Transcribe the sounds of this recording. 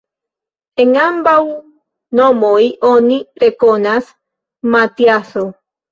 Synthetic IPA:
eŋambaw | nomoiʔoniɾekonas | mat̪jaso

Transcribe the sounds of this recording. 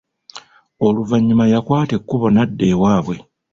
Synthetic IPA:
o̞luvaɲːimajakwaːte̞kːuβo̞nadːe̞ːwaːβwe̞

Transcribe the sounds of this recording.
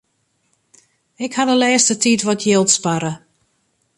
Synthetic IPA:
ɪkhadəlɛːstətʰitʋɔtʰjɪlˠtspaɾə

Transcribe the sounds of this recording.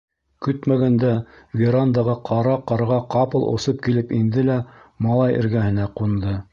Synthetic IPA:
kɵt̪mæɡænd̪æ | vʲiɾand̪ɑʁɑqʰɑɾɑqɑɾʁɑqɑpɤlˠʔo̰sɤp̚kilɘpind̪ɘlæmɑlˠɑjʔɘ̰̆ɾɡæhɘ̆næqund̪ɤ

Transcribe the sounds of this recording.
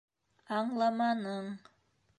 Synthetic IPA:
ɑɴlˠɑmɑnɤɴ

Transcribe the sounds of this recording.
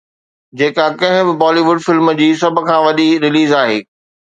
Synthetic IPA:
d͡ʑeːkakɐ̃ɦɪ̃bɪbɔːliʋʊɖfɪlməd͡ʑiːsɐb̆ʱkʰãːʋɐɗiɾɪliːzaːɦḛː

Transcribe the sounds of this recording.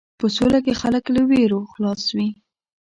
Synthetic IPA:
pəsolak̬exaləkləweɾoxlɑswi

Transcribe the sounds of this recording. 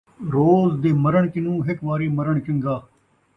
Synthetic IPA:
ɾoːzd̪eːməɾəɳkɪnũːɦɪkʋaːɾeːməɾəɳt͡ʃʊ̃ŋɡaː

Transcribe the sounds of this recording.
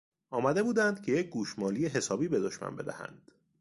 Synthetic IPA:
ʔɒːmæd̪ebuːd̪ænd̪̚cʲʰe̞jec̚ʰɡuːʃmɒːlijeɦe̞sɒːbiːbe̞d̪oʃmæ̰nbe̞d̪æ̰hæ̰nd̪̥

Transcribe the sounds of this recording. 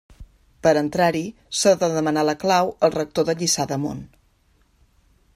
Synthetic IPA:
pəɾənt̪ɾaɾi | saðəðəmənaləklawəlˠrək̚t̪oðəʎisaðəmo̰n

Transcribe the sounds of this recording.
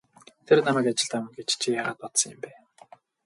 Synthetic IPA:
t̪ʰernamæːkat͡ɕɪ̆ɬt̪amɪ̆nɡet͡ɕt͡ɕʰijaːʁaːt̪̚pɔt̪sɞ̆ŋjɪ̆mpæː

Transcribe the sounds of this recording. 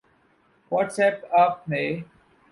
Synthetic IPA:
wɔːʈsɛːpaːp̚meː

